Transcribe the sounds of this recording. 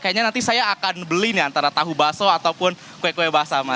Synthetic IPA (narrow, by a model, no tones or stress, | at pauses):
kajaʔɲanant̪isajaːkanbəliniant̪aɾat̪aɦubasɔat̪awpʊn | koɛkoɛbaɦasama